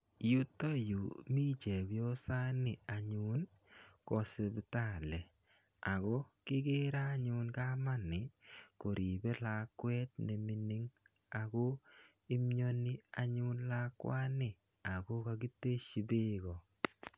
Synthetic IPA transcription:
ju˦to˦ju˨mi˦t͡ʃe˨bo˦sa˦nɪ˨a˨ɲʊ˦n | kɔ˨se˨bta˦˨lɛ˨ | a˨ɡɔ˦kɪ˦ɡɪ˦ɾa˦ɲʊ˦nka˦ma˦nɪ˨ko˨ɾʔi˨be˦la˨kwɛ˦t̚ne˨mi˨ni˦ŋ | a˨ɡɔ˦ | i˦mɲo˦nɪ˦a˨ɲʊ˦nla˦kwa˦nɪ˨ | a˨ɡo˦ka˧ɡi˦tːe˦ʃi˨bɪ˦ɡɔ˨

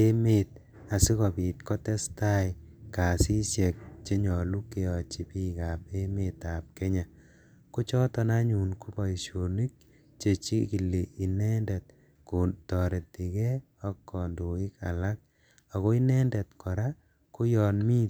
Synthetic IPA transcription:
e˦met̚ | a˨si˦kɔ˨pi˨t̚kɔ˦tɛ˦sta˦jka˨si˦sje˨k̚t͡ʃe˦ɲɔ˨lu˦ke˨ɔ˨t͡ʃi˨pi˦ka˨p̚e˦me˨ta˨p̚ke˦ɲa˨ | ku˦t͡ʃɔ˦tɔ˦na˦ɲu˨nku˦pa˨iʃo˨ni˦k̚ | t͡ʃe˨t͡ʃḭ˦ki˨li˨i˨nɛ˦ndɛ˨t̚ | ku˨tɔ˨ɾe˨ti˨kɛ˦ | ɔ˦kːɔ˨ndu˨ɪ˦ka̰˨la˦k̚ | a˨kɔ˦i˦nɛ˦ndɛ˨tkʰɔ˨ɾa˦ | ku˦jɔ˨nmi˦

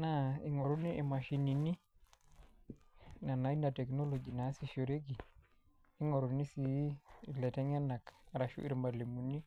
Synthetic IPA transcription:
na˦i˨ŋɔ˨ɾo˦ni˦i˨ma˨ʃi˨ni˨ni˦ | na˨na˨i˦na˨tɛ˨kno˦lo˨d͡ʒi˨na˨˦si˨ʃo˨ɾe˦ɡi˨ | i˦ŋo˨ɾo˨ni˦si˨lɛ˨tɛ˦ŋɛ˦na˨kɾa˨ʃṵ˦ʔḭ˨ɾma˨le˨mu˨ni˦

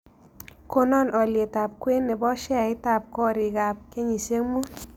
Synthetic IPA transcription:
ko˦nɔ˦˨nɔ˨lje˨ta˨p̚kwe˦nːɛ˨bɔ˦ʃɛ˦˨ɪ˦ta˨p̚kɔ˦ɾɪ˨ka˨p̚ke˦ɲi˨se˦ŋmu˦

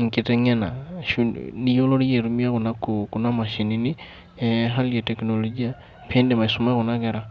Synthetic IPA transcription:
ŋ̩˨kʼitʼɛ˦ŋɛ˦na̰˨ʃuni˦jo˦lo˦ɾi˦je˨ɾu˦mi˦a˦ɣu˨na˦ku˨kuna˦ma˨ʃi˨nini˦ | ɦa˦li˦je˨tɛ˨knolod͡ʒi˦a˦ | pʰe˦ndɛma˨isuma˦ɣunakɛ˦ɾa˨

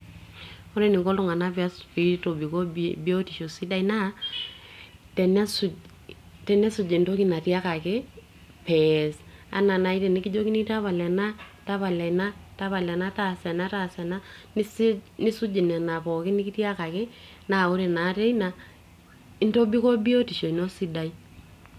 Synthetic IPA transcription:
o˦ɾe˦nɪ˨ko˦ltʊ˦ŋa˨na˦pa˦spi˦to˨bi˨ko˦bi˦o˦ti˨ʃo˨si˦da˦ina˦ | tɛ˨na˦su˨ | tɛ˨nɛ˦su˨d͡ʒe˨ndo˦ki˦na˨ti˦a˦ka˨kɪ˦ | pɛsa̰˨na˨na˨i˦tɛ˨nɪ˦ki˦d͡ʒo˦ki˦ni˦ta˦βa˨lɛ˨na˦ta˦pa˨lɛ˨na˦ta˦βa˨lɛ˨na˦ta˨sɛ˨na˦ta˨sɛ˨na˦nɪ˦snɪ˦su˦d͡ʒi˨nɛ˨na˨pɔ˨kɪ˦nɪ˦ki˦tja˦ka˨kɪ˦ | na˦˨o˦ɾe˨na˨˦tɛ˦i˦na˨ | ɪ˦nto˦bi˦ko˦bi˦o˦ti˨ʃo˨i˨no˦si˦da˨i˦

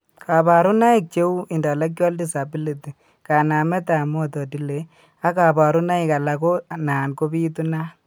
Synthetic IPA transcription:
kʰa˨ba˨ɾu˦na˦i˦˨k̚t͡ʃe˦u˦i˨nda˨la˦k̚jɔ˦ldi˨sa˨bi˦li˨te˨ | ka˨na˨mɛ˦ta˨mɔ˨tɔ˨ti˦le˨ | a˦ka˨ba˨ɾu˦na˦ɪ˨ka˨la˨ko˦naː˨nko˦bi˦tu˦na˦

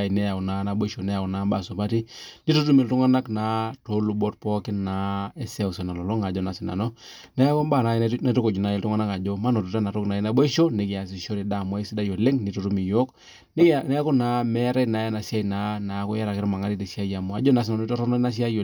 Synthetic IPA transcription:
a˨nɛ˦ja˨na˨˦na˨bo˦ʃo˨nɛ˦ja˨na˨˦mba˦˨sʊ˨pa˦ti˦ni˦to˦tu˦mi˨ltu˦ŋa˦na˦kna˨˦to˨˦lu˨bo˦tpɔ˦kɪ˦na˨˦e˦sɛ˦u˨sɛ˨na˨lɔ˨lɔ˦ŋa˨d͡ʒɔ˦˨na˨sɪ˨na̰˨nɔ˦nɛ˦a˦ko˦mba˦˨na˨˦na˦tu˦ko˨d͡ʒu˨na˨˦i˦ltu˦ŋa˦na˦ka˨d͡ʒo˦ma˦no˨tu˨ta˦na˨ɾo˦kna˨i˦na˦bo˦ʃo˦ne˦ki˨a˨s̬i˨ʃo˦ɾi˨da˨mwa˦i˦si˦da˦jo˨le˦ŋni˨to˦ɾu˦mi˨jo˦k | n˦nɛ˦a˦ko˦na˨˦mɛ˦ɾa˦na˨ja˦na˨si˦a˦ina˦na˨˦ko˦ja˦ɾa˨kɪ˦ɾma˨ŋa˦ɾi˦te˨si˦a˦ja˨mu˨a˨˦d͡ʒo˦na˨s̬i˨na˨no˦i˦to˦ɾɔ˦nɔ˦na˦s̬i˦a˦jo˨

